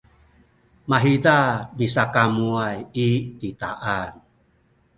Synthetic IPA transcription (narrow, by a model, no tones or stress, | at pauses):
maɦidabisakamuajitita̰ʔan